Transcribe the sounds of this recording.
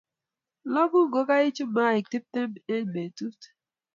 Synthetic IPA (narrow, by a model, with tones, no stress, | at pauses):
lɔ˦ɡʊ˦ɡo˨˦ka˦i˦t͡ʃu˦ma˦˨i˨ti˦p̚te˦˨e˦n˨me˨tu˦t